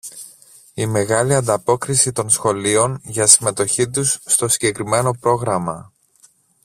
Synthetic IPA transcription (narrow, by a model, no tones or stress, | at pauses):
ime̞ɣɐliɐnd̪ɐpo̞kɾisit̪o̞nsxo̞lio̞nʝɐsime̞t̪o̞çit̪̬usːt̪o̞siɟe̞kɾime̞no̞pɾo̞ɣɾɐmɐ